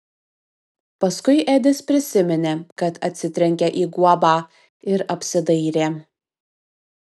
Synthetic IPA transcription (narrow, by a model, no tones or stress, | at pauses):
pɐskʊɪʔɛːd̪ʲɪspʲɾʲɪsʲɪmʲɛnʲeːkɐt̪ɐt̪ʲsʲɪt̪ʲɾʲɛŋʲkʲɛʔiːɡuɔbɑː | ɪɾɐpʲsʲɪd̪ɐɪɾʲeː